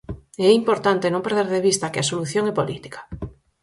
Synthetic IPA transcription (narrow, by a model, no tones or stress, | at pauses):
ɛimpoɾt̪ant̪enõmpeɾð̞eɾðeβist̪akɪasoluθjoŋɛpolit̪i̥kḁ